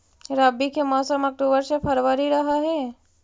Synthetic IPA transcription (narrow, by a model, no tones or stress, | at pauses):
ɾabikʰemaːsəmɐk̚ʈubəɾsepʰɐɾʋaɾiɾɐɦaɦɛ